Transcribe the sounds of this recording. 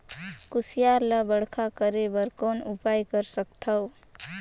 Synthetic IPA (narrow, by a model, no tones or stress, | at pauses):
kusijaɾləbəɽkʰakəɾebəɾkonupajkəɾsək̚t̪ʰəw